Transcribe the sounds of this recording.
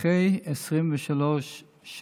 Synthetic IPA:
ejesʁimvɛʃaloʃ | ʃ

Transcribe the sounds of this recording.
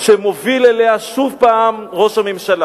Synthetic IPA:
ʃemo̞vileleaʃuvpaːmʁo̞ʃamemʃala

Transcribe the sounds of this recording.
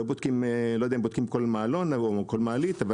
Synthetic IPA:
obod̪kimlojd̪eaimbod̪̥̚kimkolmaːlonokolmaːlit̪ava

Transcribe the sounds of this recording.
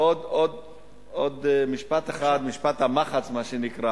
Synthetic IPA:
od̪od̪ | od̪miʃpat̪eχad̪miʃpat̪hamaχat͡smaʃenikʁa

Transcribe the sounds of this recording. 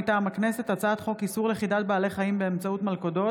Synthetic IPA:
t̪amakne̞se̞ttat͡saːt̪χo̞kisuʁleχidat̪̚baːle̞χaimbeːmt͡sautmalkodo̞

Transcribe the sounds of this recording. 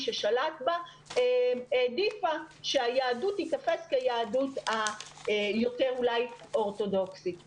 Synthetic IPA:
ʃeʃalatba | eedifaʃeajaːdutitafe̞skejaːduta | jo̞te̞ʁulajʔo̞ʁto̞do̞ksit

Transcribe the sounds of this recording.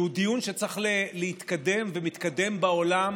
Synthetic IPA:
ud̪ijunʃet͡saχleleit̪kad̪e̞mvemit̪kad̪e̞mbaolam

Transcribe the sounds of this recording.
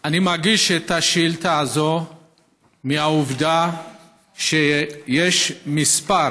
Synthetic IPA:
animaʁɡiʃet̪aʃilt̪aːzo | miauvd̪a | ʃejeʃmispaɾ

